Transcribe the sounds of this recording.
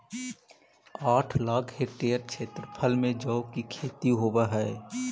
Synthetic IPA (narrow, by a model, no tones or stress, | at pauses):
aːʈʰlaːkʰheʈeːəɾkʃʰeːt̪ɾəpʰəlmẽd͡ʒɔːkikʰeːt̪iɦoːbaɦɛː